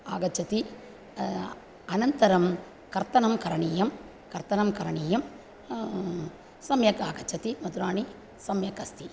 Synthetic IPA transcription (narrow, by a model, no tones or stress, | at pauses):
aːɡɐt͡ʃːɐt̪i | ɐnɐnt̪ɐɾɐm | kɐɾt̪ɐnɐmkɐɾɐɳiːjɐm | kɐɾt̪ɐnɐmkɐɾɐɳiːjɐm | sɐmjɐkaːɡɐt͡ʃːɐt̪imɐt̪uɾaːɳi | sɐmjɐkɐst̪ʰi